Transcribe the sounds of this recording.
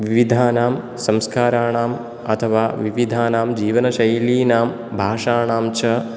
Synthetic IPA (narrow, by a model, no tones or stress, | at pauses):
ʋiʋid̪ʱaːnaːm | sɐ̃mskaːɾaːɳaːm | ɐ̰t̪ʰɐʋaːʋiʋid̪ʱaːnaːmd͡ʒiːʋɐnɐʃɐjliːnaːm | bʱaːʃaːɳaːmt͡ʃʰɐ